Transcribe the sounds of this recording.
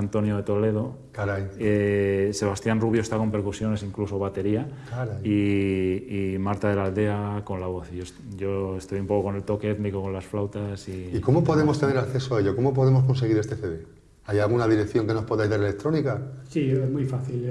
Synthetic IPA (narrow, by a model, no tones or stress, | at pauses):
ant̪o̞njoðe̞t̪o̞le̞ð̞o̞ | kaɾajese̞β̞ast̪janruβ̞joest̪ako̞mpeɾkusjo̞ne̞siŋkluso̞β̞at̪e̞ɾia | ai | imaɾt̪aðelald̪e̞ako̞nlaβ̞oθiʝos | ʝo̞e̞st̪o̞jumpo̞koko̞ne̞lt̪o̞keeðnikoko̞nlasflawt̪asiiko̞mopo̞ðemost̪e̞ne̞ɾakθesoaeʎokomop̬oðemo̞skonse̞ɣ̞iɾest̪e̞θeðe | ajalɣ̞unaðiɾekθjo̞ŋke̞no̞spoðajzðaɾelek̚t̪ɾo̞nikasiezmwujfaθil